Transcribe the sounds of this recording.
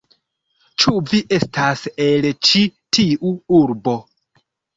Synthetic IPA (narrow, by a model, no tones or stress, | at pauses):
t͡ʃuviʔe̞staselt͡ʃitʰiʔuuɾbo̞